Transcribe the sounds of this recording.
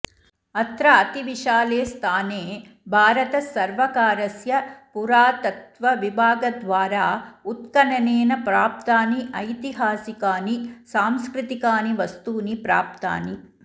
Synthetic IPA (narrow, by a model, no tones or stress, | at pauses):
ɐt̪ɾɐɐt̪iʋiʃaːleːst̪ʰaːneː | bʱaːɾɐt̪ɐsɐɾʋɐkaːɾɐsjɐpuɾaːt̪ɐt̪ʋɐʋibʱaːɡɐd̪ʋaːɾaːut̪̚kɐɳɐneːnɐpɾaːp̚t̪aːniʔɐjt̪iɦaːsikaːnisaːmskɾɪt̪ikaːniʋɐst̪uːnipɾa̰ːp̚t̪a̰ːni